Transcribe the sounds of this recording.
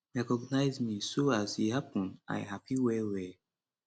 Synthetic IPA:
ɹɛkɔɡnaɪzmisoazhihapɔ̃na̰ɪɦapʰiwɛwɛ

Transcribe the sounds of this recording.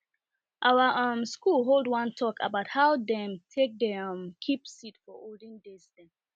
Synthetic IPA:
ʔawəʌ̃mskulɦolˠdwʌ̃ntʰɔkə̰baʊt̚haʊdɛ̃mtʰek̚deʌ̃mkʰipsitfɔʔoldĩŋdezdɛ̃n

